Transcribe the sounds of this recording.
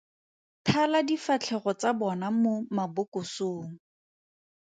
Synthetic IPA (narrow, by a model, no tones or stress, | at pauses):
tʰaladifat͡ɬʰɛχɔt͡sabɔnamomabʊkʊsoːŋ̩